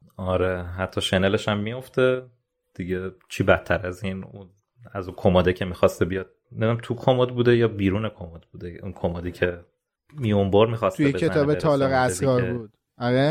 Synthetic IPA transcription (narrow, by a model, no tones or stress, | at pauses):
ɒɾe̞ɦæt̪ʰːɒːʃe̞nele̞ʃæmːijo̞ft̪e̞ | d̪̥iɟet͡ʃʰiːbæt̪ʰːæɾæziːnun | æzuːkʰomɒːd̪ecʰe̞miːxɒst̪ebijɒd̪̥̚ | emd̪unæmt̪ʰukʰomod̪buːd̪ejɒːbiːɾuːnekʰomod̪̚buːd̪eunkʰomɒd̪icʰe̞ | miomboɾmiːxɒstujeeeent̪ɒːbeɒːleɣeæsdikɒːɾbud̪̥ | ɒɾe